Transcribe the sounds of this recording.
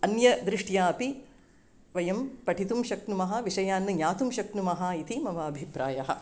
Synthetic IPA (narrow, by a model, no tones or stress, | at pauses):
ɐnjɐd̪ɾɪʂʈjaːɐpi | ʋɐjɐmpɐʈʰit̪umʃɐknumɐɦɐʋiʂɐjaːnːɐɲaːt̪umʃɐknumɐɦaːit̪imɐʋɐːbʱipɾaːjɐɦɐ̰̆